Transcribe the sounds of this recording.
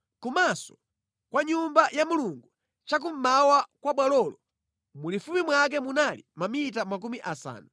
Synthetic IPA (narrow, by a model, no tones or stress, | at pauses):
kumasɔ̥ | kwaɲumbajamuluŋɡu | t͡ʃak̬um̩mawakwaɓwalɔlɔ | mulifumimwak̬ɛmunalḭmamit̬amak̬umiʔasa̰ːna